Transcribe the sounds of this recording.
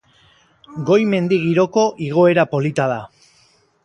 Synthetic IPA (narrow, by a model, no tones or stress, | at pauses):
ɡo̞jme̞nd̪iɣ̞iɾo̞ko̞ʔiɣ̞o̞e̞ɾapolit̪aða